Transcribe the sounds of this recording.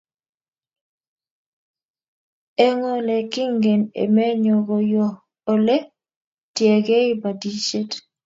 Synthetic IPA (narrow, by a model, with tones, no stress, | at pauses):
ɛ˦ŋɔ˦lɛ˨kɪ˦ŋɡɛ˨nḛ˨mɛ˦ɲɔ˨ɡɔ˨jɔ˨ | o˦le˦ | tjɛ˨ɡe˦ɪ˦ba˨di˦ʃe˦t